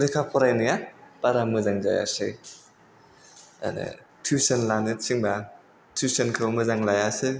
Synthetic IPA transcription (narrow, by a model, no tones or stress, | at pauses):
ɾekʰapʰɔɾajnɯjab̥aɾamɯzaŋza̰ja̰sɯj | a̰nɯ̰ | tʰusenlanɯt̚siŋba | tʰusenkʰɯwmɯzaŋlajasɯ